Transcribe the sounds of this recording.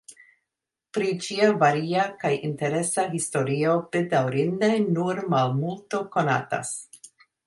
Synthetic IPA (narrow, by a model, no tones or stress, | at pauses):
pɾit͡ʃiavaɾiakajʔinte̞ɾe̞saɦisto̞ɾio̞bedawɾindejnuɾmalmulto̞ko̞na̰ta̰s